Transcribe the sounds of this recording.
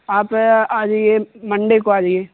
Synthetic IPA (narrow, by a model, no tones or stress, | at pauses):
aːpaːd͡ʒjemɐ̃ɳɖekoaːd͡ʒje